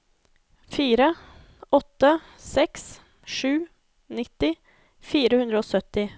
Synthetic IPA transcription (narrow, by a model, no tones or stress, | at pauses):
fiːɾə | ɔt̪ːə | sɛks | ʂʉː | nɪt̪ːɪ | fiːɾəhʉnd̪ɾəoːsœt̪ːɪ